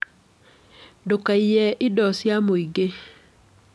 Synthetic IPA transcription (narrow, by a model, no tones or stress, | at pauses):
dokaijɛʔɪdɔsjamoiɡe